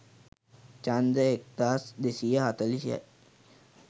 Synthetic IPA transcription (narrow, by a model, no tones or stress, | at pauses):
t͡ʃand̪əek̚d̪asd̪esijəɦat̪əlisia̰ʔ